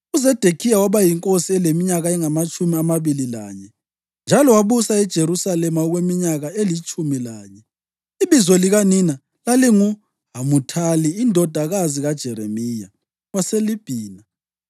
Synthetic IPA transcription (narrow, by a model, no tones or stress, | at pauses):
uzɛd̥ʱekʰijawaβajiŋkʼosiɛlemiɲaɣaɛŋamat͡ʃʼumiamaβilila̰ːɲɛ | nd͡ʒʱalɔwaβusaɛd̥ʒ̥ʱeɾusalɛmaɔɣwemiɲaɣaelit͡ʃʼumilaːɲɛ | iβizwɔliɣanina | laliŋu | ɦamutʰaliːndʱɔd̥ʱaɣaziɣad̥ʒ̥ʱɛɾemija̰ | waselib̥ʱiːna